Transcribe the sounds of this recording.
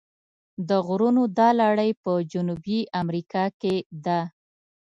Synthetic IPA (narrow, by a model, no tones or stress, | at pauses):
d̪əɣɾunod̪ɑlɑɽəjpəd͡ʒʊnubiʔamɾikɑked̪a